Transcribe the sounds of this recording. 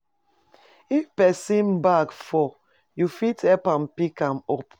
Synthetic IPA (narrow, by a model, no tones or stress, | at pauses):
ifpɛsĩnbakfɔ | jufitʰɛpãmpikãmɔp